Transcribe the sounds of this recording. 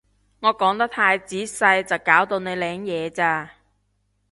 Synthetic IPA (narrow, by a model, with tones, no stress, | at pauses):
ŋɔː˨˧kɔː˨˥ŋt̪ɐ˥k̚t̪ʰaː˧jt͡siː˨˥sɐ˧jt͡sɐ˨wkaː˨˥wt̪o˧wne˨˧jlɛː˨˥ŋjɛː˨˧t͡saː˧